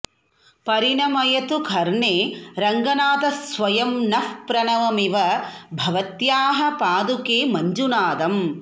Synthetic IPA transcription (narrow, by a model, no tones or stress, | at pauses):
pɐɾinɐmɐjɐt̪ukʰɐɾɳeːɾɐŋɡɐnaːt̪ɐsʋɐjɐmnɐfpɾɐnɐʋɐmiʋɐbʱɐʋɐt̪jaːɦɐpaːd̪ukeːmɐɲd͡ʒunaːd̪ɐm